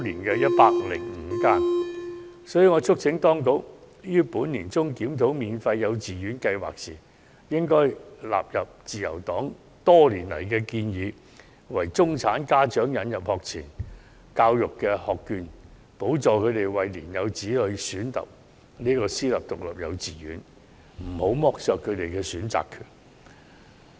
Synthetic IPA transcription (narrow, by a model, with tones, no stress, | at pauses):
liː˨˩nkɛː˧jɐ˥t̚paː˥k̚lɪ̰˨˩ŋŋ̩˨˧˥kaː˥n | sɔː˨˥ji˨˧ŋɔː˨˧t͡sʰʊ˥k̚t͡sʰɪ˨˧˥ŋt̪ɔː˥ŋko˨˥w | jyː˥puː˨˥nliː˨˩nt͡sʊ˥ŋkiː˨˥mt̪ʰo˨˥wmiː˨nfɐ˧jːɐ˨˧wt͡siː˨jyː˨˥nkɐ˧jwa̰ː˨k̚sḭː˨˩ | jɪ˥ŋkɔː˥jla̰ː˨p̚jɐ˨p̚t͡siː˨jɐ̰˨˩wt̪ɔː˨˥ŋ | t̪ɔː˥liː˨˩nlɐ̰˨˩jkɛː˧kiː˧njiː˨˧ | wɐ˨˩jt͡sʊ˥ŋt͡sʰaː˨˥nkaː˥t͡ʃœː˨˥ŋjɐ˨˧njɐ˨p̚hɔː˨k̚t͡sʰiː˨˩n | kaː˧wjʊ˨kːɛː˧hɔː˨kːyː˧n | po˨˥wt͡sɔː˨kʰɵ˨˧t̪e˨jwɐ˨jliː˨˩njɐ˨˧wt͡siː˨˥lɵ˨˧ɥsyː˨˥nt̪ɐ̰˨p̚ | niː˥kɔː˧siː˥lɐ˨˩p̚t̪ʊ˨k̚lɐ˨p̚jɐ̰˨˧wt͡siː˨jyː˨˥n | m̩˨˩ho˨˥wmɔː˧k̚sœː˨˧kʰɵ˨˧ɥt̪e˨jkɛː˧syː˨˥nt͡sa̰ː˨kʰːyː˨˩n